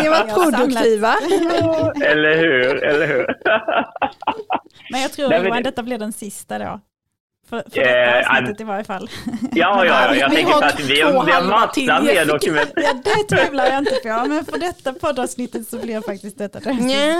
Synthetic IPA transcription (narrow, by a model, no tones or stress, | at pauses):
ɛvaʊdt̪ʰiːva | ɛlːəɾhʉ̟ːɾɛlːəɾhʉːɾ | mɛnjɑɡt̪ʰɾuːɾɛad̪ɛt̪ːablɪɾɖɛnsɪst̪ad̪o̰ | fœfsa̰ət̪ːɪvaɾjəfalːjɑːjɑj̰jjɑtɛŋkːɾatt̪ɪvɪamasːameːd̪ɔkɵmɛjɑːd̪ɛt̪ʰɾʉvlaɾjaɪnt̪əpʰomɛnfœɖɛt̪ːapʰɔd̪ːɑvsnɪt̪ːət̪sɔblɪɾfak̚t̪ɪst̪̚d̪ɛt̪ːad̪ɛ